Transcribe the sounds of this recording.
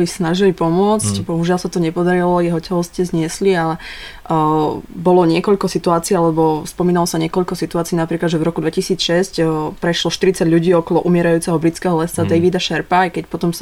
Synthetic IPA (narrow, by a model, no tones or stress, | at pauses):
lisnaʒilipɔmʊɔt͡scbɔɦuʒɪalsat̪ɔɲɛpɔd̪aɾilɔjɛɦɔcɛɦɔscɛzɲɪɛslialɛ | bɔlɔɲɪɛkɔʎkɔsit̪uaːt͡siːalɛbɔspɔmiːnalɔsaɲɪɛkɔʎkɔsit̪uaːt͡siːnapɾiːklad̪ʒɛvɾɔkud̪ʋɛcisiːt͡sʃɛscpɾɛʃlɔʃt̪iɾit͡saɟʎuɟiːɔkɔlɔʔumɪɛɾajuːt͡sɛɦɔbɾit͡skɛɦɔlɛst͡sad̪ɛjʋid̪aʃɛɾpajkɛcpɔt̪ɔms